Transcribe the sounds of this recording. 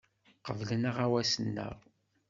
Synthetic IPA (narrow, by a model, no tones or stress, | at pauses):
qəvlənəʁawæsənːə̰ʁˤ